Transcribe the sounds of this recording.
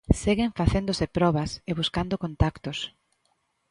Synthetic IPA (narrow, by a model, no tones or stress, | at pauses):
seɣɪɱfaθend̪osɪpɾɔβɐseβ̞uskand̪okont̪akt̪os